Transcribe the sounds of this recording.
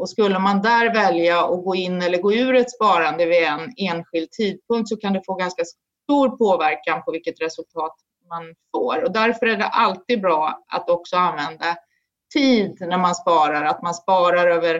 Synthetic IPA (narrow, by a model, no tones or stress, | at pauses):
ɔskɵlːəmand̪æɾvɛljaɔɡoːɪnːɛlːəɾɡoːʉ̟ːɾɛt̪spɑːɾand̪əvɪɛneːnɧɪld̪̚t̪ʰiːd̪̚pʰɵŋkt̪sɔkʰand̪ɛfoːɡanskas | t̪uːɾpʰoːvæɾkanpʰɔvɪlkːət̪ɾɛsɵlt̪ʰɑːt̪ | manfo̰ːɾɔd̪æɾfœɾæɖɛ̰ʔalt̪iːd̪̚bɾɑːa̰t̪ɔksɔanvɛnd̪a | t̪ʰiːd̪næɾmanspɑːɾaɾat̪manspɑːɾaɾøːvəɾ